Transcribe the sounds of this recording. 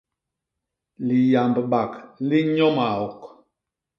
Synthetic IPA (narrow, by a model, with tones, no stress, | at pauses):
li˨ja˨mbɓa˨kli˦ɲɔ˦ma˨ɔ˨k